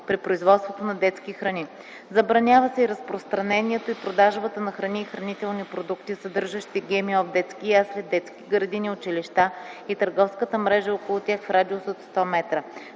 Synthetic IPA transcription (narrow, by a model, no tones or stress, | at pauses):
pɾipɾoizvɔt̪st̪vot̪onɐd̪ɛt̪skixɾɐni | zɐbɾɐnʲavəsɛiɾɐspɾost̪ɾɐnɛniɛt̪oipɾod̪aʒbət̪ənɐxɾɐniːxɾɐnit̪ɛlˠnipɾod̪ukt̪isɐd̪ɤɾʒəʃt̪iɡʲɛmiɔvd̪ɛt̪skijaslʲɛd̪ɛt̪skʲiɡɾəd̪iniot͡ʃiliʃt̪ait̪əɾɡɔfskət̪əmɾɛʒəokolˠʊt̪ʲjaxfɾad̪iosot̪st̪ɔmɛt̪ɾə